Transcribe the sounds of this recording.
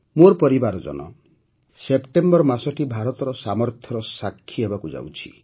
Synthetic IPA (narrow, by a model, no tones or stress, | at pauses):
moɾpɔɾibaɾɔd͡ʒɔ̰nɔ̰ | sepʈembɔɾmasɔʈibʱaɾɔt̪ɔɾɔsamɔɾt̪ʰjɔɾɔsakʰːiebakud͡ʒa̰wt͡ʃʰi̥̰